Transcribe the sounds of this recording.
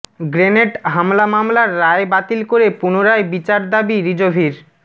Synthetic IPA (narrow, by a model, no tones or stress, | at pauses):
ɡɾeneʈɦamlamamlaɾːaebat̪ilkoɾepunoɾaebit͡ɕaɾd̪abiɾid͡ʑobʱiɾ